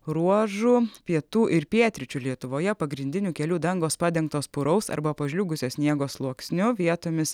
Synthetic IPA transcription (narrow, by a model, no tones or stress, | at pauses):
ɾuɔʒʊpʲiɛt̪uːʔɪɾpʲiɛt̪ʲɾʲɪt͡ʃʲʊlʲiɛt̪ʊʋoːjɛpɐɡɾʲɪnʲd̪ʲɪnʲuːkʲɛlʲuːd̪ɐŋɡoːspɑːd̪ʲɛŋk̚t̪oːspʊɾɐʊsɐ̰ɾbɐpɐʒʲlʲuːɡʊsʲoːsʲnʲiɛɡoːslˠuɔksʲnʲʊʋʲiɛt̪oːmʲɪs